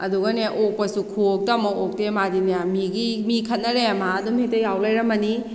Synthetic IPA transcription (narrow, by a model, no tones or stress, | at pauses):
ɐduɡɐneʔok̚pɐsukʰuok̚tɐmɐok̚temadinejamiɡimikʰɐt̚nɐɾemaːdumitɐjawlajɾɐmɐni